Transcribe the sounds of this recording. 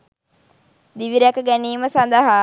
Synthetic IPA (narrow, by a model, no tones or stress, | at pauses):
d̪iʋiɾakəɡæniːməsand̪əɦaː